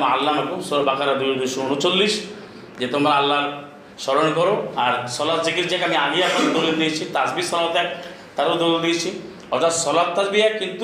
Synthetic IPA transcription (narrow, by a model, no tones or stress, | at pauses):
malːamakusɔɾbakaɾad̪ujod̪usuuɽ̃ot͡ʃolːis | d͡ʒet̪omaɾaalːaɾ | sɔɾɔnkɔɾoaɾsɔlat̚d͡ʒiɡit̪d͡ʒakeamiaɡijapɔled̪oɾid̪ijt͡ʃʰit̪asbisɔlat̪ak | t̪aɾod̪oɾiod̪ijt͡ʃʰi | ɔt̪asɔlat̚t̪ad͡ʒbijakint̪u